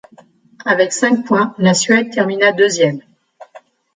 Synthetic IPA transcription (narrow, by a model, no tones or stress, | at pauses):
avɛksɛ̃k̚pwɛ̃lasɥɛd̪̚t̪ɛʁminad̪øzjɛm